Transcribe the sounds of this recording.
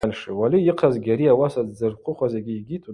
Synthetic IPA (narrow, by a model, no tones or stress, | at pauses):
anʂiwaliiqʰazɡʲaɾiawasazd͡zɨrqʷʰʼʊχʷazaɡʲiːɡʲitʰʼu